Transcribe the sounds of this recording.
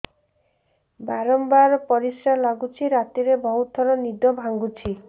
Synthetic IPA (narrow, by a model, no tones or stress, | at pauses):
baɾɔmbaɾɔpɔɾisɾalaɡut͡ʃʰiɾat̪iɾebɔɦut̪ʰɔɾɔnid̪ɔbʱaŋɡut͡ʃʰi